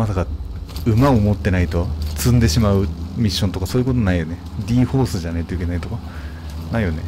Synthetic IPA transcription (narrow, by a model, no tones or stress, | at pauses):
masaka | ɯ̟maomo̞t̪ːe̞nait̪o̞t͡sɨ̃nd̪e̞ɕimaɯ̟mʲiɕːont̪o̞kaso̞ːjɯko̞t̪onaijo̞ne | d̪ʲiːho̞ːsɨʑanait̪oike̞nait̪o̞ka | naijo̞ne